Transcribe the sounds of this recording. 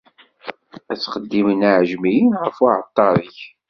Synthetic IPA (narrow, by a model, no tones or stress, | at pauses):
æt͡sːχəd̪ːimənaʕʒmijinʁəfaʕə̰t̪ˤːɑɾˤiç